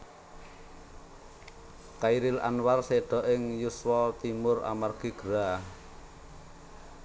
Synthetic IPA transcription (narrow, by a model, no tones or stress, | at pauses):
kaiɾɪla̰nwarseɖ̪̥ɔ̤ʔɪŋjuswɔt̪imʊra̰marɡ̥i̤ɡ̥əɾa